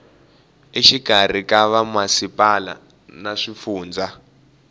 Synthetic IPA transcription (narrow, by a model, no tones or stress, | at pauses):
iʃiɡ̥ʱar̤ikaβamwasipʼala̰ | naʂifuːnd͡za